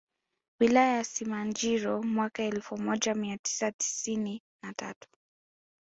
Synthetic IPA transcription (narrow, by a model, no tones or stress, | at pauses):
wilajajasimand͡ʒiɾɔmwakaɛlfumɔʄamiati̥sati̥sini | nata̰tu̥